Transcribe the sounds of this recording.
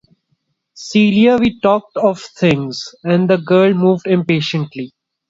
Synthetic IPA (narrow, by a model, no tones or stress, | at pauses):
siːɾiaʋiːʈɔːk̚ʈɔʋt̪ʰɪ̃ŋzɛ̃nɖd̪əɡəːlmuːʋɖɪ̃mpeːʃə̃ɳʈli